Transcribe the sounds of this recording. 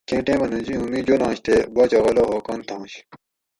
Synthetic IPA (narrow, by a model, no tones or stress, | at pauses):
kẽːʈẽːmɐnũd͡ʑiɦumĩːd͡ʑonãːɕt̪ʰebɐt͡ɕɐɣɐloɦoːkɐnt̪ʰãːɕ